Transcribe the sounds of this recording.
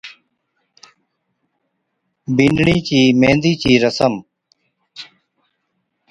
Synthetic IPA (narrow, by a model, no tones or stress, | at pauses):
binɖɽiːt͡ɕiːmẽːnd̪iːt͡ɕiːɾəsəm